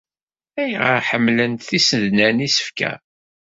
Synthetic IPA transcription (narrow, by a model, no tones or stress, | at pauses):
æjʁəɾħəmːlənt̪θisəðnænisə̥fkæ̰